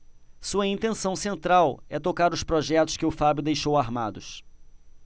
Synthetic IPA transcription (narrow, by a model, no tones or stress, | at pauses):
suɐĩnt̪ẽsɐ̃w̃sẽnt̪ɾawɛt̪okaɾʊspɾɔʒɛt̪ʊ̥skɪʊfabjʊd̪ejʃowaɾmad̪ʊs